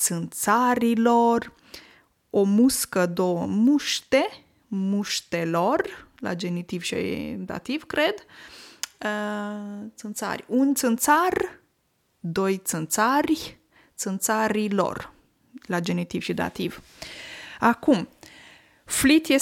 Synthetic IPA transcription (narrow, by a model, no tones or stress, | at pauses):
t̪sɨnt̪saɾilo̞r | omuskəd̪owəmuʃt̪e̞ | muʃt̪elo̞rla̰d͡ʒe̞nit̪ivʃḭd̪a̰t̪iv̥kɾe̞d̪ | ə | t̪sɨnt̪sa̰rʲunt̪sɨnt̪sar | d̪o̞jt̪sɨnt̪sarʲ | t̪sɨnt̪saɾilo̰r | lad͡ʒe̞nit̪iv̥ʃid̪a̰t̪iv̥ | akum | flit̪je